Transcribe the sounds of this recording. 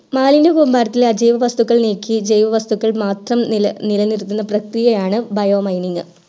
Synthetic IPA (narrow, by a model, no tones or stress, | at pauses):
maːlindekumbaːɾɐt̪ːileɐd͡ʑejʋɐʋɐst̪ukːɐɭniːkːid͡ʑɐjʋɐʋɐst̪ukːɐɭmaːt̪rɐmnilɐnirt̪ːunːɐprɐkrijɐjaːɳɨbɐjoːmɐjniŋɡɨ